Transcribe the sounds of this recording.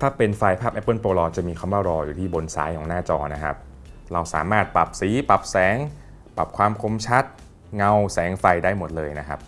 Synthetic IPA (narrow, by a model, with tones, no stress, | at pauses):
t̪ʰaː˥˩pe˧nfaː˧jpʰaː˥˩p̚ʔɛ˦˥pːɤː˥˩npoː˧lɔː˧t͡ɕa˨˩miː˧kʰa˧˥˩mwaː˥˩wɾɔː˧juː˨˩t̪ʰiː˥˩bo˧nsa̰ː˨˦jkʰɔː˩˦ŋnaː˥˩t͡ɕɔː˧na˦˥kʰa̰˦˥p̚ | ɾa˧wsaː˩˦maː˥˩t̪̚pa˨˩p̚siː˩˦pa˨˩p̚sɛː˩˦ŋ | pa˨˩p̚kʰwaː˧mkʰo˨˦mt͡ɕʰa˦˥t̪̚ | ŋa˧wsɛː˩˦ŋfa˧jdaː˥˩jmo˨˩t̪̚lɤː˧jna˦˥kʰa̰˦˥p̚